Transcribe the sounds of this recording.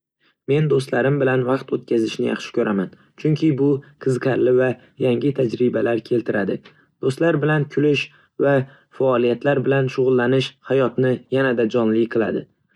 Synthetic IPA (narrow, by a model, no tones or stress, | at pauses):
me̞nd̪ost̪laɾɪmbɪlanvɑqt̪ot̪̚kʲʰazɪʃnɪjɑ̰χʃɪ̥kʲʰɵɾʔaman | t͡ʃʰʊŋkʲʰɪbʊqʰɨzqʰaɾlɪva | jaŋɪt̪ʰad͡ʒɾɪbalaɾkʲʰe̞lt̪ʰɪɾad̪ɪ | d̪̥ost̪laɾbɪlankʲʰʊlɪʃ | va | faɒlijat̪ʰlaɾbɪlanʃʊʁʊlˠːanɪʃhajɒt̪nɪjanad̪ad͡ʒɒnlɪqʰɨlˠa̰d̪ɪ